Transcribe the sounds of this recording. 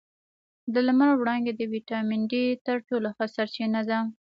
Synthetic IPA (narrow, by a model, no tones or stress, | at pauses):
d̪əlmaɾwɽɑŋɡed̪əwiʈɑmɪɳɖit̪əɾʈoloxəsaɾt͡ʃinad̪a